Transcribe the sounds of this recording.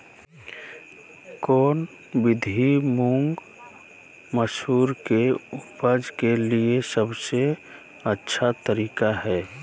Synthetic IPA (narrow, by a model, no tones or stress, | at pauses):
kɔːn | bɪd̪ʱimuŋɡ | məsuːɾkeʊpəd͡ʒkeliesəbse | ətːʃʰat̪əɾiːkaɦɛː